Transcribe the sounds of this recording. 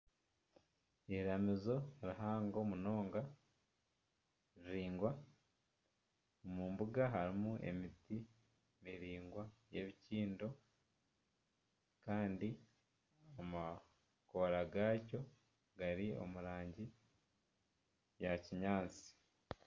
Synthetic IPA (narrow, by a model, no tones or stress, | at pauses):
ehiɾamizo̞ɾiɦaːŋɡo̞muno̞ːŋɡa | ɾiɾiːŋɡwa | omuːmbuɡaɦaɾimuʔe̞̰miti | miɾiːŋɡwajeβiciːndo̞ | kaːndi | ama | koɾaɡaːco̞ | ɡaɾio̞̰muɾaːɲɟi | jaciɲaːnt͡si̥